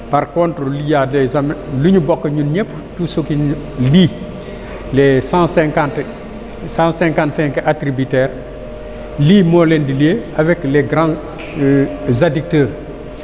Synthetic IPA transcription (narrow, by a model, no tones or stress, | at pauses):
paɾkontɾəlujalezamluɲubɔkːɐɲunɲɛpː | tusuki | liː | lesãsɛŋkant | sãnsɛ̃ŋkãntsɛ̃ŋkʔatɾibitɛːɾ | liːmɔlendilieavɛkleɡɾãn | zadik̚təːɾ